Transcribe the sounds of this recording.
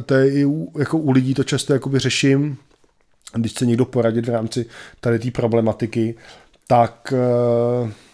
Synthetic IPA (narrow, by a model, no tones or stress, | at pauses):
t̪ojɛɪujako̞ʔulɪɟiːt̪o̞t͡ʃast̪ojako̞bɪrɛʃɪm | dɪʃt͡sɛɲɛɡdo̞po̞ɾaɟɪt̪vɾaːmt͡sɪt̪adɪt̪iːpɾo̞blɛmat̪ɪkɪ | t̪ak